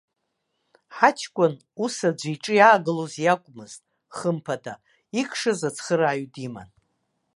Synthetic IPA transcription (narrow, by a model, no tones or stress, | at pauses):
ħat͡ʃʰkʷʼʊn | usad͡ʒʷiʈ͡ʂʼɨjaːɡɨlozjakʷʼmɨz̥tʼ | χəmpʰada | ikʰʼʂazat͡sʰχəɾaːɥdima̰n